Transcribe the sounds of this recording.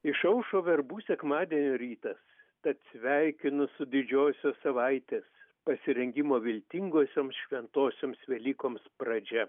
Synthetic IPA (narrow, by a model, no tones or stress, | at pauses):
ɪʃɐʊʃoːʋʲɛɾbuːsʲɛkmɑːd̪ʲiɛnʲoːɾʲiːt̪ɐs | t̪ɐt̪sʲʋʲɛɪkʲɪnʊsʊd̪ʲɪd͡ʒʲoːsʲoːssɐʋɐɪt̪ʲeːspɐsʲɪɾʲɛŋʲɡʲɪmoːʋʲɪlʲt̪ʲɪŋɡoːsʲoːmsʃʲʋʲɛnt̪oːsʲoːmsʋʲɛlʲiːkoːmspɾɐd͡ʒʲɛ